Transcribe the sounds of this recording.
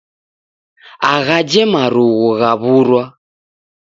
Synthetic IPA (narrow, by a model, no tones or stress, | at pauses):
aɣad͡ʒɛmaɾuɣuɣaβuɾwa